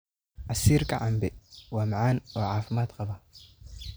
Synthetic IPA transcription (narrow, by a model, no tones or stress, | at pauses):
ʔɐsiːɾkʰɐʕambɛwaːmʕaːnoːʕaːfɪmaːd̪qɑβɐ